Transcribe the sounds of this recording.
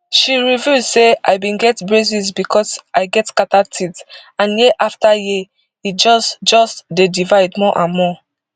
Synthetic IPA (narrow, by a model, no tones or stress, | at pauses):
ʃiɹivjuzsea̰ɪbĩnɡɛtbɹezizbikɔsaɪɡɛtkatatʰitãnjeʔaftaji | it̚d͡ʒɔstd͡ʒɔstdedivaɪdmɔʔãnmɔ